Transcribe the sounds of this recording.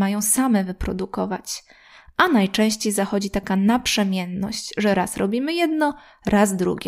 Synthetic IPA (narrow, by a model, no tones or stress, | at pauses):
majɔ̃w̃samɛvɘpɾɔ̰d̪ukɔvat͡ɕ | ʔanajt͡ʂɛ̃w̃ɕt͡ɕejzaxɔd͡ʑit̪akanapʂɛmʲjɛnːɔ̰ɕt͡ɕʐɛɾasɾɔbʲimɘjɛd̪nɔ | ɾʔazd̪ɾṵɡʲɛ